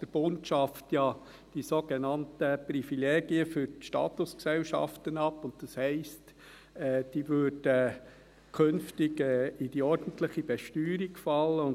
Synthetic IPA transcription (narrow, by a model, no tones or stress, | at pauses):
d̥əɾb̥ontʃɑftjɑ | d̥isoɡenɑntəprifileːɡ̥iəfʏɾtʃtɑ̰ːt̪ʊsksɛlʃɑ̰ftənɑpːʊnt̚d̥ɑshɛɪst | ɛːd̥iːʋødə | kʰønftɪɡɛɪd̥iɔɾdən̩tləχib̥ɛʃtyːɾiɡfɑlːəʊn